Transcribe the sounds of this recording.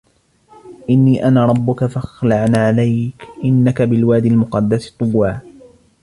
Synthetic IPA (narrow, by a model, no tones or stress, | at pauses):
ʔɪnːiːʔanaːɾˤɑbːʊkafaxlaʕnaːʕalajkʔɪnːakabɪlwaːd̪ɪlmʊqɑd̪ːast̪ˤːʊwːaː